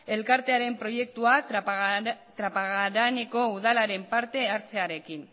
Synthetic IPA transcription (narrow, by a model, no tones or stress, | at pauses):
e̞lkaɾt̪e̞aɾe̞mpɾo̞je̞k̚t̪ua | t̪ɾapaɣaɾaneko̞uðalaɾe̞mpaɾt̪e̞aɾt͡se̞aɾe̞kin